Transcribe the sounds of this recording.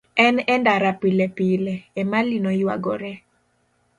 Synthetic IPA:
ɛnɛndaɾapɪlɛpilɛːmalinojwa̰ɡɔɾɛ

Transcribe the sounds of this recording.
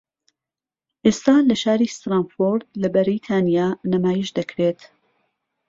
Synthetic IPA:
ʔeːst̪aːlɐʃaːɾiːst̪ɾaːnfoɾd̪lɐbɐɾijt̪ʰaːnijaːnɐmaːjiʃd̪ɐkʰɾet̪

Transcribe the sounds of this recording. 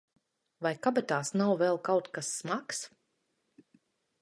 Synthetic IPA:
vajkabat̪aːsnawvɛlˠkawt̪kasːmaks

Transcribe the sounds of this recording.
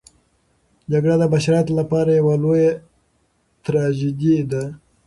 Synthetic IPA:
d͡ʒaɡɽad̪əbaʃɑɾjɑt̪olapɑɾajawaloja | t̪ɾɑd͡ʒid̪id̪a

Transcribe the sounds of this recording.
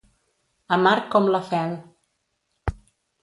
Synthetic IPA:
amaɾkɔmləfɛl

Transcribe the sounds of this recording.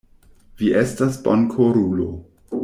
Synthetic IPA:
viʔestasbankʰoɾulo

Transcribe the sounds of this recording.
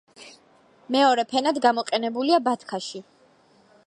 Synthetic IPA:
mɛɔɾɛpʰɛnad̪ɡamɔqʼɛnɛbuliabat̪ʰkʰaʃi

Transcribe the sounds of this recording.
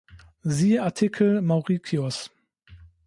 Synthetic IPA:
ziːəaɐtʰɪkʰl̩maʊʁikʰjɔs

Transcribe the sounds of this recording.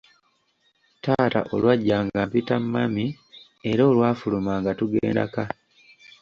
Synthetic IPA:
taːta̰ʔo̞̰lwaɟːaːŋɡampitammami | e̞ɾoːlwaːfulumaːŋɡatuɡḛːnda̰ka

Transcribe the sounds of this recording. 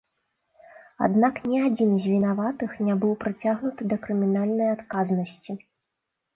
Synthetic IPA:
a̰d̪naknʲiad͡zʲinzʲvʲinavat̪ɨxnʲabɨwpɾɨt͡sʲaɣnut̪ɨd̪ɐkɾɨmʲinalʲnɐjat̪kaznɐsʲt͡sʲi

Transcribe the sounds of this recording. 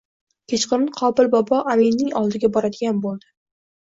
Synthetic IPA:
kʲʰet͡ʃqɨɾɪqʰɒbɪlbɒbɒʔaminnɪŋɒlˠd̪ɪɡʲabɒɾad̪ɪɡʲanbolˠd̪̥ɪ

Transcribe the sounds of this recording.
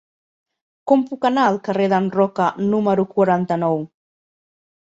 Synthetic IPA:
kompukanalkareðanrɔkanuməɾukwaɾant̪anow

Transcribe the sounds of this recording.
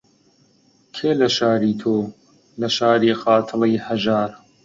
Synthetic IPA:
kʰeːlɐʃaːɾiːt̪ʰoː | lɐʃaːɾiːxɑːt̪ʰəlijhɐʒaːɾ

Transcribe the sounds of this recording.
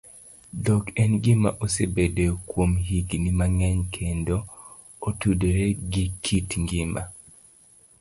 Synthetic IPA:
dɔkɛnɡɪma̰ʔosebedekwomɦiɡnimaŋɛɲkʰendo | otudeɾeɡikʰitŋɡɪma̰

